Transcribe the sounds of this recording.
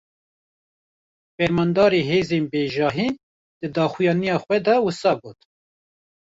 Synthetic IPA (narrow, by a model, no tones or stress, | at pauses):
fɛɾmɑnd̪ɑːɾeːɦeːzeːnbeːʒɑːɦiː | d̪̥ɨd̪ɑːxujɑːnijɑːxwɛd̪ɛwɨsɑːɡoːt̪